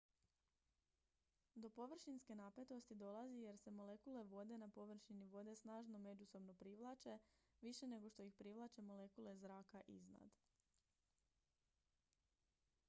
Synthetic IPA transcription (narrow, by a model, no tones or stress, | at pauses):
d̪o̞po̞ʋr̩ʃinske̞nape̞t̪o̞st̪id̪o̞lˠazije̞ɾse̞mo̞le̞kule̞ʋo̞d̪e̞napo̞ʋr̩ʃiniʋo̞d̪e̞snaːʒno̞me̞d͡ʒuso̞bno̞pɾiʋlˠat͡ʃe̞ʋiʃe̞ne̞ɡo̞ʃt̪o̞ixpɾiʋlˠat͡ʃe̞mo̞le̞kule̞zɾaːkaʔizna̰d̪